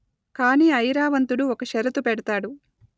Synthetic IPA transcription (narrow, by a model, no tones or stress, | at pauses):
kaːniːɐjɾaːʋɐnt̪uɽuɔkɐʃɐɾɐt̪upɛɽɐt̪aːɽu